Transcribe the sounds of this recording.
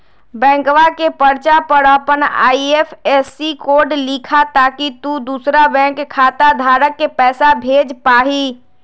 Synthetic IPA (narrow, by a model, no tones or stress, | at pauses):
bɛ̃ːŋkʋakepəɾt͡ʃapəɾaːpəna̰ːieːpʰɛːsːikoːɾɖlikʰat̪aːkit̪ud̪uːsɾabɛ̃ːkʰːaːt̪ad̪ʱaːɾəkːepɛːsabʱeːd͡ʒpaːɦiː